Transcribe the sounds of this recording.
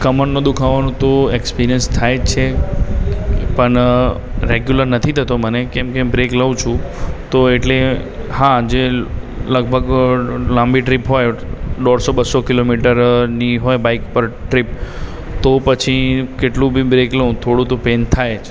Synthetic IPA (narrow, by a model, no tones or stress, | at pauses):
kəməɳnõd̪ukʰaʋanũt̪oekspiɾijənst̪ʰajd͡ʒt͡ʃʰe | pəɳ | ɾeɡjuləɾnət̪ʰit̪ʰət̪omənekɛmkebɾekləʋũt͡ʃʰũt̪oeʈle | had͡ʒeləɡ̚bʱəɡlãmbiʈɾipɦojɖɔɽsobəsokilomiʈəɾniɦojbaikpəɾʈɾip | t̪opət͡ʃʰikeʈlũbʱibɾekləũt̪ʰoɽũt̪opent̪ʰajet͡ʃʰ